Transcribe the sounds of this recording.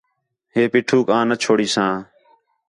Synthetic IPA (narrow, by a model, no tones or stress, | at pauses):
ɦeːpiːʈʰuːkãːnət͡ʃʰoːɽiːsãː